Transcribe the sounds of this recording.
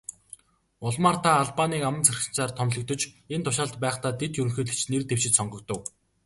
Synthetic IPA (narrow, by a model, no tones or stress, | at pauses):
ʊɮmaːrt̪ʰaːɮpaniːkamə̆nt͡sʰærxɪ̆nt͡saːrt̪ʰɔmɮɞ̆k̚t̪ɵ̆t͡ɕent̪ʰʊʃaːɮt̪pæːχt̪aːt̪et̪jɵɾɵ̆ŋxɵːɮɘ̆t͡ɕnert̪ew̥t͡ɕɪ̆t͡ɕsɔŋɡɞ̆k̚t̪ə̆w